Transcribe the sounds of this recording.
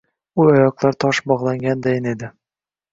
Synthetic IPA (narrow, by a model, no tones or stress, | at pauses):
uɒjɒqlˠaɾt̪ʰɒʃbɒʁlˠaŋɡʲand̪ajɪne̞d̪ɪ